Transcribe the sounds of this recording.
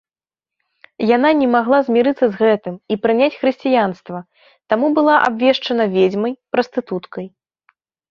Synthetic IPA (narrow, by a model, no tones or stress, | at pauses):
jan̪anʲɛmaɣlˠazʲmʲiɾɨt̪sːɐzɣɛt̪ɨmipɾɨnʲat͡sʲxɾɨsʲt͡sʲijanst̪vɐ | t̪amubɨlˠaʔa̰bvʲɛʂt͡ʂɐnɐvʲed͡zʲmɐjpɾɐst̪ɨt̪ut̪kɐj